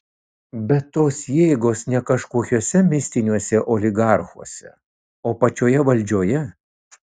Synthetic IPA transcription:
bʲɛt̪ːoːsjeːɡoːsnʲɛkɐʃkoːkʲoːsʲɛmʲɪsʲt̪ʲɪnʲuɔsʲɛʔoːlʲɪɡɑˑɾxuɔsʲɛ̰ | oːpɐt͡ʃʲoːjɛʋɐlʲˑd͡ʒʲoːjɛ

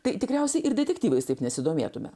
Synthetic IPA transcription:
t̪ɐɪt̪ʲɪkɾʲɛʊsʲɛɪʔɪɾd̪ʲɛt̪ʲɛkt̪ʲiːʋɐɪst̪ɐɪpnʲɛsʲɪd̪oːmʲḛːt̪ʊmʲɛ̰

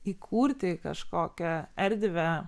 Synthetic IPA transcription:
iːkʰuːɾʲt̪ʲɪkɐ̰ʃkoːkʲɛɛɾʲd̪ʲʋʲɛ

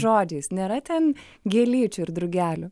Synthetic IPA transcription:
ʒoːd͡ʒʲeːsnʲeːɾɐt̪ʲɛn | ɡʲeɛlʲiːt͡ʃʲʊɪɾd̪ɾʊɡʲæːlʲʊ

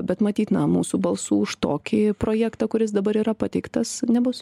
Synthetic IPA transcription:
bʲɛt̪mɐt̪ʲiːt̪nɐmuːsuːbɐlˠsuːʊʃt̪oːkʲɪpɾoːjæːkt̪ɑkʊɾʲɪs̬d̪ɐbɐɾiːɾɐpɑːt̪ʲɛɪkt̪ɐsnʲɛbʊs

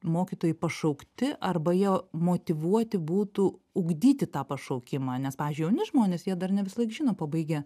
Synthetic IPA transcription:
moːkʲiːt̪oːjɛɪpɐʃɐʊkt̪ʲɪʔɐrbɐjiɛmoːt̪ʲɪʋuɔt̪ʲɪbuːt̪uʊɡd̪ʲiːt̪ʲɪt̪ɑːpɐʃɐʊkʲɪmɑːnʲɛspɑːʋʲɪzd͡ʒʲʊɪjɛʊnʲɪʒmoːnʲeːsjiɛd̪ɐrnʲɛʋʲɪsɐlˠɐɪkʒʲɪːnoːpɐbɐɪɡʲɛ

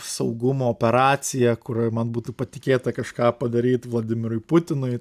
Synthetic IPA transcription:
sɐʊɡʊmoːoːpʲɛɾɑːt̪sʲɪjɛkʊɾmɐnbuːt̪upɐt̪ʲɪkʲeːt̪ɐkɐʃkɑːpɐd̪ɐɾʲiːt̪ʋlˠɐd̪ʲɪmʲɪɾʊɪpʊt̪ʲɪnʊɪ

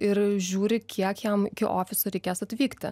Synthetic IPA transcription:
ɪɾʒʲuːɾʲɪkʲʰiɛkjæmɪkʲɪʔoːfʲɪsʊɾʲɛɪkʲeːsɐt̪ʲʋʲiːkt̪ʲɪ̰

